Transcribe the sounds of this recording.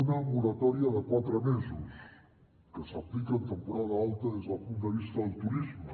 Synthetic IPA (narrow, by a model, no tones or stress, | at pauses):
unamuɾat̪ɔɾiaðəkwat̪ɾəmezus | kəsaplikənt̪əmpuɾaðaalˠt̪aðezðəlpund̪əβ̞ist̪ɐðəlˠt̪uɾizmə